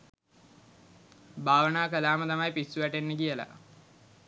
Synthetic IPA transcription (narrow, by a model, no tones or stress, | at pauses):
bʱaːʋənaːkəlaːmət̪amajpisːuʋæʈenːəkijəla̰